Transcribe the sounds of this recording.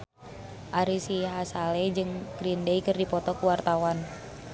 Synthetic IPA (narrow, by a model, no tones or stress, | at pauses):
ʔaɾisiɦasalɛd͡ʒɨŋɡ̥ɾindeikɨrdipɔt̪ɔkuwart̪awan